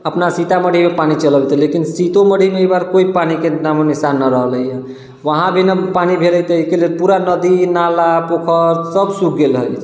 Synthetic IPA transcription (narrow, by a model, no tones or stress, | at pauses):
əpnasit̪aməɽ̤ʱimepanit͡ʃələbt̪lekinsit̪oməɽ̤ʱimeebaɾkoipanikenamənisanːaɾəɦləjə | ʋəɦãbʱinapanibʱeləjt̪əikelelpuɾanəd̪inalapokʰəɾsəbsukɡelɦə̰jʰ